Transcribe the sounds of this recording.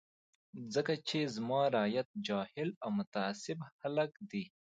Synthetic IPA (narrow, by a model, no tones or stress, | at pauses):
zəkat͡ʃʰezmɑːɾaːjɐt̪̚d͡ʒɑːhɪlawmʊt̪aːsɪbhɐləkd̪i